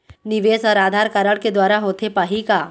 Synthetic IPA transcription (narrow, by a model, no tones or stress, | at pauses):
nɪʋeːsɔːɾaːd̪ʱaːɾkaːɾəɽked̪waːɾaɦoːt̪ʰepaːɦikaː